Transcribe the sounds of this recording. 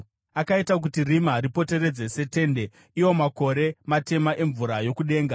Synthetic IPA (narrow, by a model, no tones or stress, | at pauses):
akaitak̬utirimaɾipo̞te̞ɾe̞d͡ze̞se̞te̞ːnde̞ | iwo̞mako̞ɾe̞mate̞maʔe̞ɱvuɾajo̞kuɗe̞ːŋɡa